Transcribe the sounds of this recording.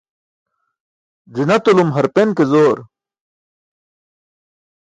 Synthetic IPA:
d͡zinɐt̪olumɦɐɾpenkezoːɾ

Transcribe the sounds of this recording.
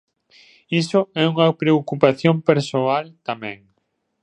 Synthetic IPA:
isʊɛuŋɐpɾeokupaθjompeɾsoalt̪amɛ̰̃ŋ

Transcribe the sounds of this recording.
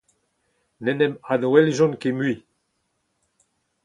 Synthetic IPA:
nɛnɛmad̪oɛlʒɔ̃nkemɥi

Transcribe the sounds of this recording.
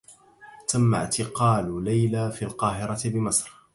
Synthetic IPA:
t̪amːa̰ʕt̪ɪqɑːllajlaːfilqɑːɦɪɾˤɑɪbɪmɑsˤɾ

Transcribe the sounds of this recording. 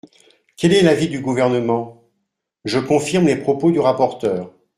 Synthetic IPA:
kʲɛlɛlavid̪yɡuvɛʁnəmɑ̃ | ʒəkɔ̃fiʁmlepχɔpod̪yʁapɔʁt̪œːʁ

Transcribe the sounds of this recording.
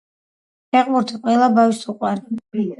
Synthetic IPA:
ɛqʼluɾt̪ʰiqʼwɛlabavisuqʼwaɾ

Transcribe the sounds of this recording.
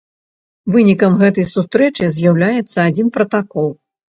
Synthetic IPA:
vɨnʲikɐmɣɛt̪ɐjsust̪ɾɛt͡ʂɨzʲjawlʲajɛt̪sːɐad͡zʲinpɾɐt̪akɔlˠ

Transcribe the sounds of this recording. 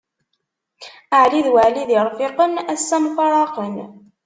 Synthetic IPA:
aʕliðwaʕliðiɾˤfɪqənæsːæmfɑɾˤɑqən

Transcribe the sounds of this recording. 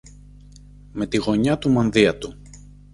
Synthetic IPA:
me̞t̪iɣo̞ɲɐt̪umɐnðiɐt̪u

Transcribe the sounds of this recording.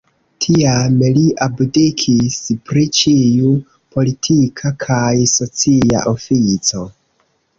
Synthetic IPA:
tʰiameliʔabdikʰispɾit͡ʃiu | po̞litʰikʰakʰajso̞t͡sia̰ʔo̞fit͡so̞

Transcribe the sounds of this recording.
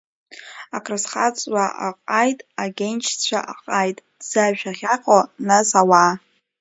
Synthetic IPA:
akʰrɨsχat͡sʼwaʔa̰qʼajtʼaɡʲent͡ʃʰt͡ɕʷʰa̰ʔaqʼajtʼ | z̥aaχʲaqʰʼonasawa

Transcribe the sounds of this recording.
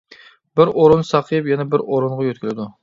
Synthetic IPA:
bɪɾoɾunsɑqʰɨjɨpjɛnɛbɪɾoɾuɴʁɑjøt̪̚kʲilɪd̪u

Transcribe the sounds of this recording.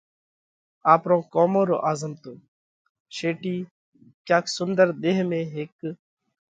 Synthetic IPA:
aːpɾõːkoːmõːɾo̰ːʔaːzəmt̪oː | ʃeːʈiː | kjaːksʊnd̪əɾd̪eːɦmẽːɦeːk

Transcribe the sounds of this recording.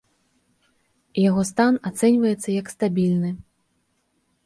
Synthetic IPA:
jaɣɔs̬t̪anat̪sɛnʲvɐjɛt̪sːɐjɐkst̪abʲilʲnɨ

